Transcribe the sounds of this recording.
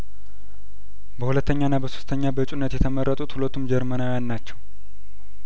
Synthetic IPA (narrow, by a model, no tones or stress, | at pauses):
bəhulət̪ʰːəɲːanːabəso̥st̪ʰəɲːabət͡ʃʼunːət̪jɛt̪ʰəmərːət̪ʼut̪hulət̪ʰumd͡ʒɛɾmənawjanːat͡ʃːɛw